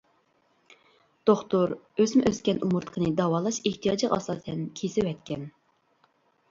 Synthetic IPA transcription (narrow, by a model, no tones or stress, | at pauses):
d̪̥oχt̪oɾøzmɪʔøskʲɛnʔumʊɾt̪ʰə̥qʰənɨd̪ɑwɑːlˠɑʃeht̪ʰijɑːd͡ʒʁɑ̰sɑːsɛnkʲʰesɪwɛt̪kʲɛn